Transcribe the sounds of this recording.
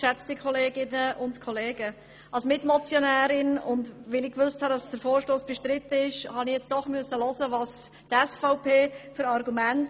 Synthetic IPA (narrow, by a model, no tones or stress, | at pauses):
ʃɛt͡sdikʰɔleːɡɪnəʔʊntkʰɔleːɡə | ʔɑlsomɪtmɔt͡sjonæːɾɪnʊndʋɪlɪkʋʏsthɑdɑsd̥əɾfoːɾʃtoːsb̥ɛʃtɾɪt̪ːəɪʃhɑnijɛt͡sd̥ɔχmyəsːəlɔsəvɑːs | tɛsfaʊpʰeːfʏɾɑɾɡumænt